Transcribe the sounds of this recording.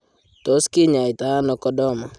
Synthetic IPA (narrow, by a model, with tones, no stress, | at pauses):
to˨˦skɪ˦ɲa˨i˨ta˨˦a˦nɔ˨kɔ˦dɔ˦˨ma˨